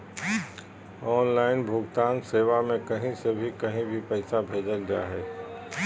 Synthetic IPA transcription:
ɔːnlaːɪnbʱʊɡt̪aːnseːʋamẽkɐɦĩsebʱikɐɦĩbʱipɛɪsabʱeːd͡ʒəld͡ʒa̰ːɦɛː

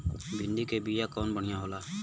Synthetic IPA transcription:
bɪnd̪iːkeːbiːjaːkɔːnbəɳ̤ɪjãːɦoːlaː

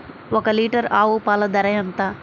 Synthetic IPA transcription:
ɔkɐliːʈɐɾaːwupaːlɐd̪ɐɾɐjɐnt̪a

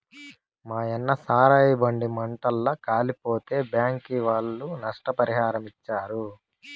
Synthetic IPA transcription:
maːjɛnːɐsaːɾaːjibɐɳɖimɐɳʈɐlːɐkaːlipoːt̪e̞ːbjaːŋkiʋaːɭːunɐʂʈɐpɐɾiɦaːɾɐmit͡ʃːaːɾu

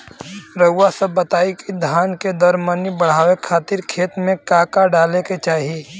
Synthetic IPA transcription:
ɾəwasəbːət̪aːikid̪ʱaːnked̪ɔɾmənibəɽ̤aːwekʰaːt̪ɪɾkʰeːt̪mẽkaːkaɖaːleket͡ʃaːɦie

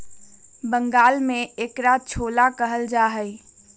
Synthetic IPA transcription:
bəŋɡaːlmeekɾat͡ʃʰolakəɦəld͡ʒaɦəj

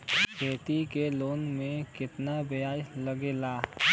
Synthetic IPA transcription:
kʰeːt̪ikeloːnmẽkɪt̪nabejaːjləɡelaː

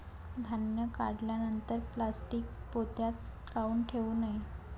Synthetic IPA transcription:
d̪ʱanjəka̰ɽljanənt̪əɾplasʈiːk̚pot̪jat̪ | kauːnʈʰeʋuːnai

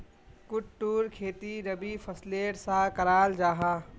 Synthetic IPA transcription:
kʊʈʈːuːɾkʰeːt̪iɾɐbipʰɐsleːʈsakɐɾaːld͡ʒaːɦaː

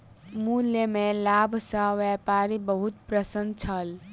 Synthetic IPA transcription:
mulːjemẽlabʱsə̃ʋɛpaːɾibəɦut̪pɾəsənt͡ʃʰəl

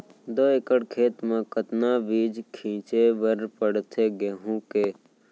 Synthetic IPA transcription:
d̪oːekəɽkʰeːt̪mãkət̪naːbiːd͡ʒkʰĩːt͡ʃeʋəɾpəɽt̪ʰeːɡeɦũːkeː

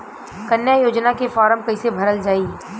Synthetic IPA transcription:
kɐnjajoːd͡ʒnakefɔːɾəmkɐisebʱɐɾəld͡ʒaːiː

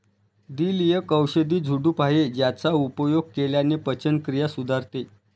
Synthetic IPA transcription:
d̪iːlijəkəwɕəd̪iːd͡zʱuɖuːpaɦed͡ʑjat͡saupəjoɡ̚keljanepət͡ɕənkɾijasud̪ʱaɾt̪e

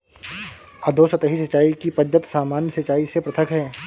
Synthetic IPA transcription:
ɐd̪ʱoːsət̪əɦisɐt͡ʃːaːikipɐd͡ʒət̪saːmaːnjəsɐt͡ʃaːisepɾɐt̪ʰəkɦɛː

